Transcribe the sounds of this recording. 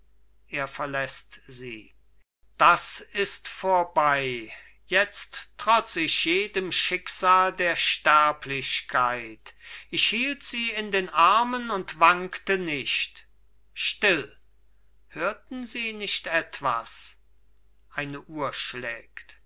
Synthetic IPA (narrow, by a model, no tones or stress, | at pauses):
ʔeːɐfɛɐlɛstziː | d̥asɪstfoːɐbaɪ | jɛt͡stʁ̥ɔt͡sɪçjeːdəmʃɪkz̥aːldeːɐʃtɛɐpʰlɪʃkʰaɪtʔɪçhiːltz̥iːɪndeːnʔaɐmənʊntv̥aŋktənɪçt | ʃtɪl | høːɐtn̩ziːnɪçtʔɛtv̥a̰s | ʔaɪnəʔuːɐʃlɛːkt